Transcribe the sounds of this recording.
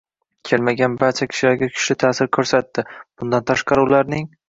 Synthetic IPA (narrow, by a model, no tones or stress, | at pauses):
kʲʰe̞lmaɡʲanbaɾt͡ʃʰakʲʰɪ̥ʃɪlaɾɡʲakʲʰʊ̥ʃlɪt̪ʰaːsɪɾkʲʰɵɾsat̪ːɪb̥ʊnd̪ant̪ʰaʃqɑɾɪʊlaɾnɪŋ